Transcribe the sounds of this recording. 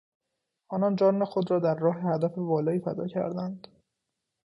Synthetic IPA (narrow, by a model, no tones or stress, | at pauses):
ʔɒːnɒnd͡ʒɒːnexod̪ɾɒːd̪æɾːɒːɦehæd̪æfe̞vɒːlɒːiːfæd̪ɒ̰ːcʰæ̰ɾd̪ænd̪̥